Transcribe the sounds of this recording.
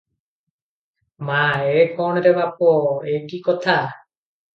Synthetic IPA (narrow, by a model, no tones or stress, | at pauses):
maekʰɔɽ̃ɾebapoekikɔt̪ʰa